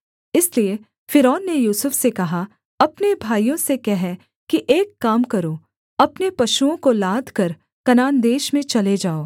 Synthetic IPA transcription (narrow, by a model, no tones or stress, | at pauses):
ɪslie | fɪɾɔːnːejuːsʊfsekɐɦa | ɐpnebʱaːijõsekɛɦɛ | kiʔeːkːaːmkɐɾo | ɐpnepɐʃuõkolaːd̪ʱkɐɾ | kɐnaːnd̪eːʃmẽt͡ʃɐled͡ʒaːoː